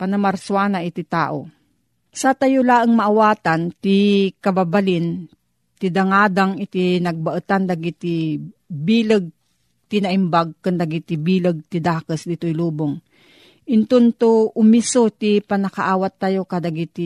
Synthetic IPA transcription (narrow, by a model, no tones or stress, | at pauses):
panamaɾswaːnaʔit̪it̪a̰ːʔo̰ | sat̪ajolaːʔəŋmaʔawaːt̪ant̪ikababalɪn | t̪id̪aŋaːd̪aŋit̪inɐɡ̚baʔət̪and̪aɡit̪ibiːlɨɡ̚ | t̪inaʔimbaɡ̚kɨnd̪aɡit̪ibiːlɨɡ̚t̪id̪aːkəsd̪ɪt̪ojluːboŋ | ʔɪnt̪ont̪oʔʊmisot̪ipanakaʔaːwat̪ːajokad̪aɡit̪i